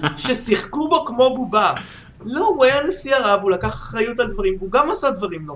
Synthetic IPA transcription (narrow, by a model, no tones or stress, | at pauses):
ʃe̞siχkubo̞kmo̞buba | louajanesiaʁavulakaχḁχʁajut̪ald̪vaʁimvuɡamasad̪vaʁimlo